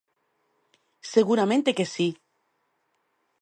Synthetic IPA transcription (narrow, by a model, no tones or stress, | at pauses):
seɣuɾamẽnt̪ekesi